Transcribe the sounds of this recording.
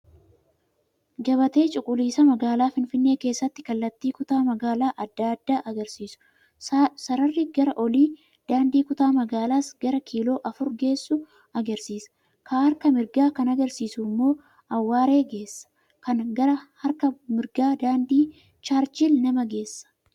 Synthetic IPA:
ɡɐβɐt̪e̞ːt͡ʃʼʊkʼːʊliːsɐmɐɡaːlaːfɪnfɪnːe̞ːke̞ːsːɐt̪ːɪ̥kɐlːɐt̪ːiːkʊt̪aːmɐɡaːlaːʔɐd̪ːaːd̪ːaːʔɐɡɐɾsiːsʊ̥ | sɐɾɐrːɪɡɐɾɐʔɔliː | d̪̥aːnd̪iːkʊt̪aːmɐɡaːlaːsɡ̥ɐɾɐkʰiːlo̞ːʔɐfʊɾɡe̞ːsːʊ | ɐɡɐɾsiːsɐ̥ | kʰahɐɾkɐmɪɾɡaːkɐnɐɡɐɾsiːsuːmːo̞ː | ɐwːaːɾe̞ːɡe̞ːsːɐ̥ | kɐnɡɐɾɐhɐɾkɐmɪɾɡaːd̪aːnd̪iː | t͡ʃaːɾt͡ʃɪlnɐmɐɡe̞ːsːɐ̥

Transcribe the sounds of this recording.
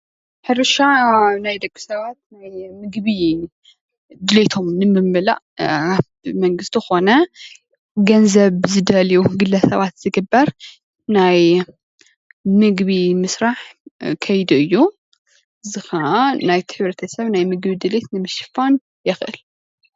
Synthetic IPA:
ħɨɾɨʃanajd̪ɐɡʼːɨ̥sɐβat̪najmɨɡβi | d̪ɨle̞t̪ʰo̞mnɨmːɨmːɨla̰ʔ | məŋɡɨst̪xo̞nə | ɡɐnzɐβzɨd̪ɐliwɡɨlːɐsɐβat̪z̥ɨɡɨbːəɾ | naj | mɨɡβimɨsɾaħkʰɐjd̪ɨjːu | ɨzɨxanajt̪ʰɨħɨβɾɐt̪ʰəsəβnajmɨɡβid̪ɨle̞t̪nɨmːɨʃɨ̥fan | jɛxʔɨ̰l

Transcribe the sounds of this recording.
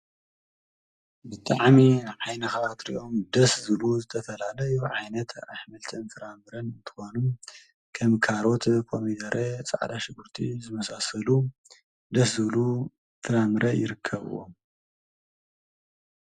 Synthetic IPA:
bɨt̪ʼaʕminaβʕajnɐxɐβat̪ɾḭʔo̞md̪ɐszɨβluzɨt̪ʰɐfɐlalɐjuʕajnɐt̪ʰa̰ħmɐlt̪ʰɨnfɨɾamɨɾɐnɨnt̪ʰɨ̥xonum | kʰɐmkʰaɾo̞t̪kʰomid̪ɐɾʔet͡sʼa̰ʕd̪aʃɪɡuɾt̪ʰizɨmɐsasɐlu | d̪ɐszɨβlu | fɨɾamɨɾʔɐjɪɾɨkʰːɐβɨ̰wom

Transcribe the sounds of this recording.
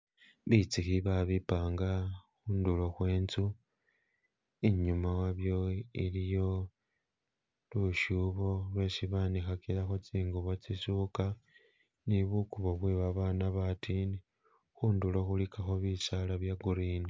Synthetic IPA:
βit͡sixiβaβipaːŋɡaxuːndulo̞xwe̞ːnt͡su | iɲumawaβjo̞ilijo̞ | luʃuβo̞lwe̞siβanixakilaxot͡siːŋɡuβo̞t͡sisuka | niβukuβo̞βweβaβaːnaβatʰini | xuːndulo̞xulikaxoβisalaβjaɡuɾiːni

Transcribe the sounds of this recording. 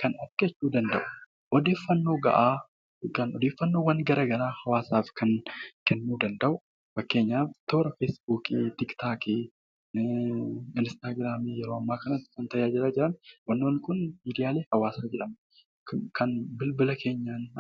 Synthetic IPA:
kɐnɐfkɛt͡ʃːuːd̪ɐnd̪ɐ̰ʔʊ̥ | ʔɔd̪e̞ːfːɐnːo̞ːɡɐ̰ʔaː | kɐnɔd̪e̞ːfːɐnːo̞ːwɐnɡɐɾɐɡɐɾaːhɐwaːsaːfkʰɐŋkɛnːuːd̪ɐnd̪ɐʔʊ | fɐkːe̞ːɲːaːt̪oːɾɐfesbuːkit̪ɪkt̪ʰaːki | ɪnst̪aːɡɾaːmijɛɾo̞ːɐmːaːkɐnɐt̪ːɪ̥sɐnt̪ɐjaːd͡ʒɪɾaːd͡ʒɪɾɐnwɐnːoːnːɪkʊnmiːd̪ɪjaːle̞ːhɐwaːsaːd͡ʒɛᶑɐm | kʰɐnbɪlbɪlɐkʰe̞ːɲːaːn

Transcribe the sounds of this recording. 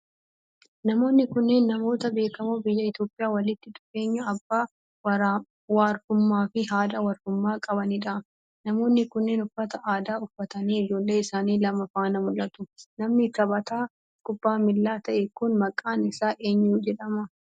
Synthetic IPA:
nɐmo̞ːnːɪkʊnːe̞ːnːɐmo̞ːt̪ɐbe̞ːkɐmubɪjːɐɪt̪jo̞ːpʼɪjaːwɐlɪt̪ːɪd̪ʊ̥fe̞ːɲːɐːbːaː | wɐɾa | waːɾfʊmːaːfɪɦaːd̪ɐwɐɾfʊmːaːkʼɐbɐniᶑɐ | nɐmo̞ːnːɪkʊnːeːnʊfːɐt̪ɐʔaːd̪aːʊfːɐt̪ɐniːɪd͡ʒo̞ːlːe̞ːɪsaːniːlɐmɐfaːnɐmʊlʔɐt̪ʊnɐmnɪkɐbɐt̪aː | kʼʊbːaːmɪlːaːt̪ɐʔekʊnmɐkʼːaːnɪsaːʔeːɲːud͡ʒɛᶑɐmɐ

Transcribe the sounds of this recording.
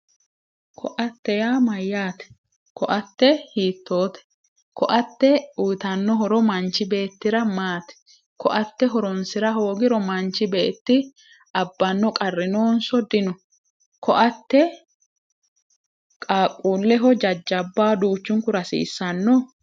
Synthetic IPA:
kʰɔʔɐt̪ːɛjaːmɐjːaːt̪ɛ̥ | kɔʔɐt̪ːɛhiːt̪ːo̞ːt̪ɛ̥ | kɔʔɐt̪ːɛujt̪ɐnːɔɦɔɾɔmɐnt͡ʃːɪbe̞ːt̪ːɪɾɐmaːt̪ɛ̥ | kɔʔɐt̪ːɛɦɔɾɔnsɪɾɐɦo̞ːɡɪɾɔmɐnt͡ʃɪbeːt̪ːɪ | ɐbːɐnːɔkʼɐrːɪno̞ːnsɔd̪ɪnɔ | kʰɔʔɐt̪ːɛ | kʼaːkʼːuːlːɛɦɔd͡ʒɐd͡ʒːɐbːaːd̪uːt͡ʃːʊŋkʊɾɐsḭːsːɐnːɔ

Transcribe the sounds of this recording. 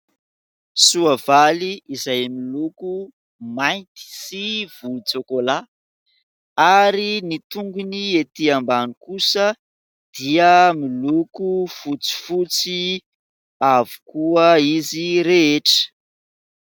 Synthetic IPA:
suavaliːzajmiluku | majnt̪i̥siv̥ulut͡sekola | aɾinit̪uŋɡuniet̪iambanikusə | d̪̥iəmilukufut͡si̥fut͡si | avu̥kuəiziɾeeʈ͡ʂə̥

